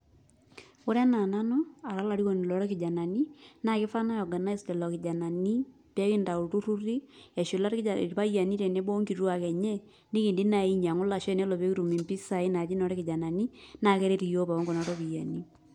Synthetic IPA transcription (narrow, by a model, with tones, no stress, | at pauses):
ʊ˦ɾɛ˦na˨na˦nu˦a˨ɾa˦la˨ɾi˦ko˨n˨lɔ˨˦ɾɔ˦kɪ˨d͡ʒa˨na˨ni˦na˦˨kɪ˦fa˦na˦jɔ˨ɡa˨n˦i˦stɛ˨lɔ˨kɪ˨d͡ʒa˨na˨ni˦ | pɛ˦kɪ˦nda˨u˨tu˦ru˦ri˦a˨ʃo˨la˦ɾpa˦ja˨ni˦ɾɛ˨ne˦bo˦ŋki˨ɾu˦a˨kɛ˨ɲɛ˦ | nɪ˦ki˨ndi˦na˨i˦ɲa˨ŋʊ˦la˨ʃɛ˦˨nɛ˦lɔ˨pe˦ki˦ɾu˨mi˨mpi˦sa˨i˦na˨d͡ʒi˦nɔ˨˦ɾɛ˦kɪ˨d͡ʒa˨na˨ni˦na˨kɛ˦ɾe˦ɾi˨jo˦pa˨ɔ˦ŋɡɔ˨na˨˦tɔ˦ki˨ja˨ni˦